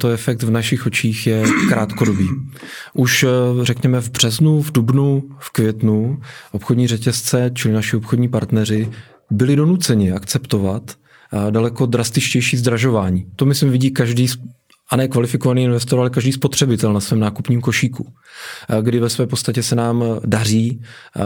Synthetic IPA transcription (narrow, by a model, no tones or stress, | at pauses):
t̪oɛfɛk̚t̪vnaʃɪxo̞t͡ʃiːxjɛkɾaːt̪ko̞do̞biː | ʔuʃrɛkɲɛmɛvbr̝̥ɛznuvdubnufkvjɛt̪nuʔopxodɲiːrɛcɛst͡sɛt͡ʃɪlɪnaʃɪopxodɲiːpaɾt̪nɛr̝ɪ | bɪlɪdo̞nut͡sɛɲɪakt͡sɛpt̪o̞vat̪ | dalɛko̞d̪ɾast̪ɪt͡ʃcɛjʃiːzd̪ɾaʒo̞vaːɲiːt̪o̞mɪslɪmvɪɟiːkaʒdiːs | ʔanɛkvalɪfɪko̞vaniːɪnvɛst̪o̞ɾalɛkaʒdiːspo̞t̪r̝̥ɛbɪt̪ɛlnasvɛːmnaːkupɲiːmko̞ʃiːku | ɡdɪvɛsvɛːpost̪acɛsɛnaːmdar̝iː